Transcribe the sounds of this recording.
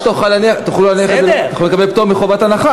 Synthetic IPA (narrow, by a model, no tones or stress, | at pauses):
t̪auχalaniaχat̪aχlulaniaeaχaulekabept̪omiχovat̪anaχa